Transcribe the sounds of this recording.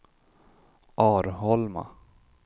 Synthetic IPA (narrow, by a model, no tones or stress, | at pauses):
ʔɑːɾhɔlma̰